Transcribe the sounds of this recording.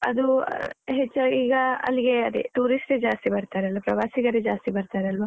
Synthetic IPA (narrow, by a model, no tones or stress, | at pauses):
ɐ̰d̪uɦet͡ʃːɐiːɡɐɐ̰lːiɡe̞ɐd̪ḭʈuːɾisʈed͡ʒaːst̪ibɐɾt̪aːɾeɐlʋɐpɾɐʋaːsiɡɐɾed͡ʒaːst̪ibɐɾt̪aːɾeɐlʋa